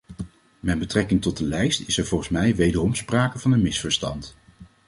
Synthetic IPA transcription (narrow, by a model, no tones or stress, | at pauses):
mɛdbətrɛkɪŋtɔd̚dəlɛjstɪsɛɹvɔlˠχənsmɛjʋejdəɹɔmspraːkəvɑnənmɪsfəɹstɑ̰nt